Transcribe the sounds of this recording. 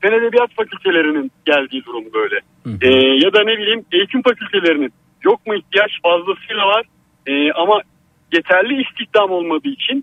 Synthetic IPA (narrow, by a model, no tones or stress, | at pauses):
se̞ned̪e̞bijat̪facʰylʲt̪ʰe̞lʲe̞ɾininɟ̥ælʲd̪iːd̪uɾumbø̞jlʲɛ | ɛːjad̪ane̞bilʲiːmejit̪ʰimfacʰylʲt̪ʰe̞lʲe̞ɾinin | jo̞k̚muiçt̪ʰijaʃfazlˠasɯjlˠavaɾ̥ | ɛːama | je̞t̪ʰæɾlʲiːst̪ʰiçt̪amo̞lˠmad̪ɯːit͡ʃʰin